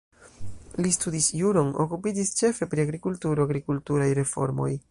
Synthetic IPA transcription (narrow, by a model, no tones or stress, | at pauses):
listudisjuɾo̞no̞̰kupid͡ʒist͡ʃe̞fe̞pɾiaɡɾikultuɾo̞aɡɾikultuɾajɾe̞fo̞̰ɾmo̞̰j